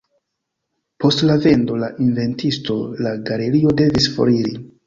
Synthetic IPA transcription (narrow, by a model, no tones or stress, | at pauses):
po̞stlave̞ndo̞laʔinve̞ntisto̞laɡale̞ɾio̞de̞visfo̰ɾiɾḭ